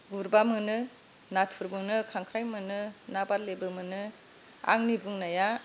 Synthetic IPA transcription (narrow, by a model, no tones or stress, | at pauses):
ɡuɾbamɯnɯ | natʰuɾbɯnɯkʰaŋkʰɾajmɯnɯnabatlebɯmɯnɯ | a̰ŋnibuŋnaja